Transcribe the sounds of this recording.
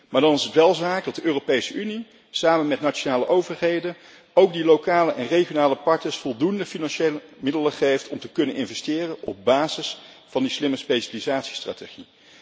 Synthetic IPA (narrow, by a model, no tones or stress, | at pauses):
maːɹdɑnɪsətʋɛlˠzaːk̚dɑt̚dəʔøːropejsəʔyni | saːmənmɛtnat͡ʃonaːləʔowvəɹɦejdən | owk̚dilowkaːləʔɛnreχijonaːləpɑɹtnəɹsfɔlˠdundəfinɑnʃeləmɪdələχejftʰɔmtəkɵnənʔɪnvɛstɪːrənɔ̰b̚baːzɪs | fɑndislɪməspeʃalizaːtsi̥stra̰ːteχi